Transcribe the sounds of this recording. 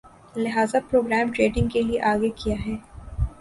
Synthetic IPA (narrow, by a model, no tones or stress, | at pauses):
lɪɦaːzapɾoːɡɾɛːmʈɾeːɖɪ̃ŋɡkelieʔaːɡekijaɦɛː